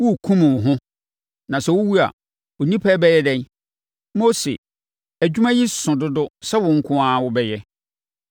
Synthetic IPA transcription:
wʊ˦˨kʰũ˦mɪ̃˨wʊ˨ɦʊ̃˦ | nã˨sɛ˦wʊ˦wu˦a̰˨ | wʊ˨nĩ˦pʰɛː˦bɛ˦jɛ˦dɛ̃˦n | mo˦sḛ˨ | æ˨d͡ʑᶣu˦mã˦ji˦sʊ̃˨dʊ˦dʊ˦sɛ˦wʊ̃˨ŋ̩˦kʰʊ̃˦a˦˨wʊ˦bɛ˦jɛ˦

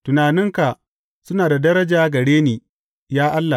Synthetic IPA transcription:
tʊ˨naː˨nɪ˦ŋka˨ | sʊ˦naː˨da˨dɐ˦ɾɐ˦d͡ʒaː˦ɡɐ˨ɽeː˦neː˨ | jaː˦ʔa˦lːa˨

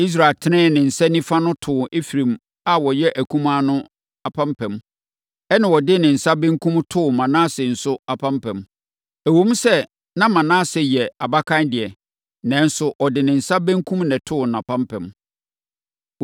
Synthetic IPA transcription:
i˦s̬ɾa˨tʰɪ˦nɪ̃ː˦˨nɪ̃˨n̩˨sɛ˦nĩ˦fa˦nʊ̃˦tʰʊ˨ʔe˦fi˨ɾĩ˨m | a˨wɔ˨jɛ˦ʔæ˨kʰũ˦mãː˦nʊ̃˦ | a˨pʰã˦mpʰɛ̃˨m | ɛ˦nã˨wɔ˨dɪ˦nɪ̃˨n̩˨sa˦bɛ̃˦ŋ˦kʰũ˦m˦tʰʊ˦˨mã˨nãː˦sɪ˨n̩˨sʊ˦a˨pʰã˦mpʰɛ̃˨m | æ˨wõ˦m˦sɛ˦ | nã˦mã˨nãː˦˨sɛ˨jɛ˨a˨ba˦kʰã˦ndɪ˨ɛ˨ | nɛ̃˨˦n˦sʊ˨ʔɔ˨dɪ˨nɪ̃˨n̩˨sa˦bæ̃˦ŋkʰũ˦mnɛ̃˨tʰʊ˦˨nã˨pʰã˦mpʰɛ̰̃˨m

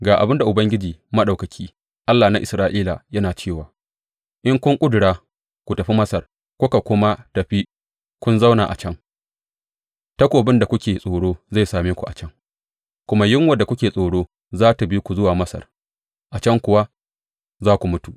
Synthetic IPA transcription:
ɡaː˨ʔa̰˨bɪ˦nda˨ʔʊ˨bɐ˦ŋɡʲɪ˦d͡ʒiː˨mɐ˦ɗa˨wkɐ˨kʲʰiː˦ | ʔa˦lːaː˨na˦ʔɪ˨sɾaː˦ʔiː˦la˨jɐ˦naː˨t͡ʃeː˦˨waː˨ | ʔɪ˦ŋkʷʊ˦ŋkʷʼʊ˦dʊ˨ɽaː˦ | kʷu˨tɐ˨ɸi˦mɐ˦sɐ˨r | kʷʊ˦ka˨kʷʊ˦ma˦tɐ˨ɸi˦ | kʷʊ˦nza˦wnaː˨ʔa̰˨t͡ʃɐ˦ŋ | tɐ˦kʷoː˨bɪ˦nda˨kʷʊ˦kʲeː˨sʼoː˨ɽoː˦za˦˨jsaː˨meː˦kʷu˨ʔa̰˨t͡ʃɐ˦ŋ | kʷʊ˦ma˦jɪ˦ŋwɐ˦˨dːa˨kʷʊ˦kʲeː˨sʼoː˨ɽoː˦ | zaː˦ta˨bi˦kʷu˨zʊ˦waː˨mɐ˦sɐ̰˨r | ʔa˨t͡ʃɐ˦ŋkʷʊ˨wa˦ | zaː˦kʷu˨mʊ˦tu˨

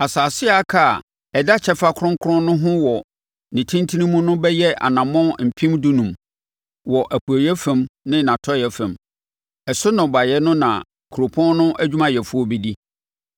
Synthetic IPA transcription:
a˨saː˨sɪ˦a˦kʰa̰˦˨ | ɛ˨da˦t͡ɕʰɛ˦fa˦kʰʊ˦ɾʊ̃˦ŋ˦kʰʊ˦ɾʊ̃˦nnʊ̃˦ɦʊ̃˦wɔ˨ | nɪ̃˨tʰĩ˦ntʰi˦nĩ˦mũ˦nʊ̃˦bɛ˦jɛ˦ʔa̰˨nã˨mɔ̃˦m̩˨pʰĩ˦mdu˦nũ˨m | wɔ˨ʔæ˨pʰu˨æ˨jɛ˦fɛ̃˨mnɪ̃˦nã˨tʰɔ˦jɛ˦fɛ̃˨m | ɛ˨sʊ˦nʊ̃˨ba˨jɛ˦nʊ̃˦nã̰˨ | kʰu˨ɾo˨pʰɔ̃˦nnʊ̃˦ʔæ˦d͡ʑᶣu˦mã˨jɛ˨fu˦ɔ˦bɛ˨di˦

